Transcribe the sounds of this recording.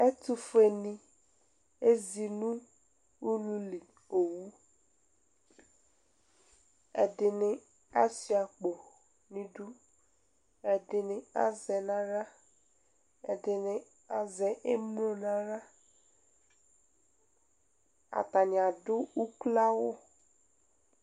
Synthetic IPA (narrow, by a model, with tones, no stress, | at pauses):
ɛ˦tʊ˦fe˨nĩ˨ | e˦zi˨nũ˦ | u˦lu˦li˨ | o˨wu˦ | ɛ̰˨dɪ˨nɪ̃˦ | a˦si˨˦a˨k͡po˨ | nĩ˨du˦ | ɛ˨dɪ˨nɪ˨a̰˦zɛ˨na˦ɾa˦ | ɛ˨dɪ˨nɪ˨ | a˨zɛ˨ʔe˦m˦lo˦nã˦ɾa˦ | a̰˨ta˨nɪ̃˨a˨dʊ˦u˦kla˦wʊ˦